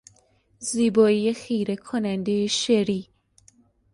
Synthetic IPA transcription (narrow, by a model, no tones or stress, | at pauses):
ziːbɒːijexijɾekʰonænd̪ejeʃeɾi